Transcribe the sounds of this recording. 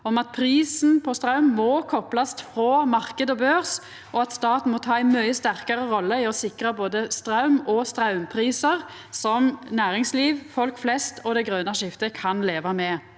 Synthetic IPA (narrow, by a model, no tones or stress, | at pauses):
ɔmɑt̪̚pʰɾiːsn̩pʰɔst̪ʁɑʉmːɔkʰɔplɑst̪fʁoːmɑʁkəd̪ɔbøːʁs | ʔɔɑt̪st̪ɑːt̪n̩mɔt̪ʰɑːæɪmœʏəst̪æʁkɑʁəʁɔlːəɪɔsɪkʁɑboːd̪əst̪ʁɑʉmɔst̪ʁɑʉmpʰʁiːsəʁ | sɔmnæːʁɪŋsliːʋfɔlkflɛst̪ʰɔd̪ɛɡʁøːnɑʃɪft̪əkʰɑnleːʋɑmɛ